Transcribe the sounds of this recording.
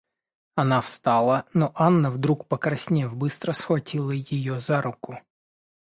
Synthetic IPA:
ɐnafst̪ɑlˠənɔʔanːəvd̪ɾukpəkɾɐsʲnʲevbɨst̪ɾəsxvɐtʲilˠəjɪjozaɾʊkʊ

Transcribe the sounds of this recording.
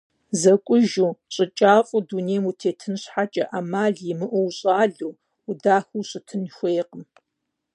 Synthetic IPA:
zɐkʷʼʊʒuːɕʼɪt͡ʃʼaːfʼʊduneːmutʰeːtʰɨnɕħat͡ʃʼɐʔamaːɮjɪmɨʔʷʊwɕʼaːɮuː | ʊdaːxuɕʼɪtʰɨnxʷeːjqəm

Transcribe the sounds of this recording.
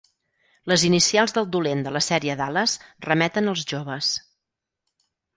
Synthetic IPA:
ləzinisialˠzðəlˠd̪ulend̪ələsɛɾiəðaləsrəmɛt̪ənəlˠzʒoβəs

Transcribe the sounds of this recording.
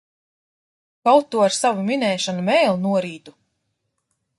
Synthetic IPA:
kawt̪ːuaɾsavuminɛːʃanumɛːjlˠnuɔɾiːt̪u

